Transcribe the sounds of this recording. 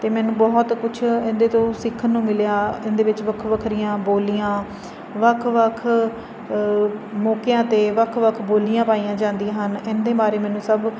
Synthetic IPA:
t̪eːmɛːnũːbɔːɦt̪kʊt͡ʃʰɪ̃nd̪eːt̪õːsɪkʰːənːũːmɪljaːɪnd̪eːʋɪt͡ʃʋəkʰʋəkʰɾijãːboːlijãː | ʋəkʰʋəkʰ | mɔːkjãːt̪eːʋəkʰʋəkʰboːlijãːpaːijãːd͡ʒãːnd̪iãːɦənɪnd̪eːbaːɾeːmɛːnũːsəb

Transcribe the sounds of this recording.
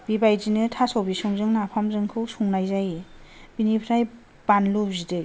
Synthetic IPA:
b̥ibajzinɯtʰasawbisɔŋzɯŋnapʰamzɯŋkʰɯwsuŋnajzaj | b̥inipʰɾaj | b̥anlubzidɯ

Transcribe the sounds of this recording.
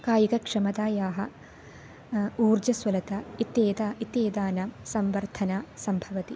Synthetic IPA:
kaːjikɐkʂɐmɐd̪aːjaːɦɐ | uːɾd͡ʒɐsʋɐlɐt̪ɐit̪eːd̪aʔit̪eːd̪aːnɐsɐmʋɐɾt̪ʰɐnaːsɐmbʱɐʋɐt̪i

